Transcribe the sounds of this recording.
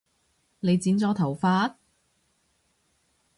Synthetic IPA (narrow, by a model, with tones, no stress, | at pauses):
le˨˧jt͡siː˨˥nt͡sɔː˨˥t̪ʰɐ˨˩wfaː˧t̚